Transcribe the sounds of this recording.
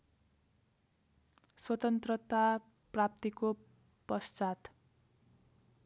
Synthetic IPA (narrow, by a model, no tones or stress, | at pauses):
swʌt̪ʌnt̪rʌt̪a | prap̚t̪iko | pʌst͡sat̪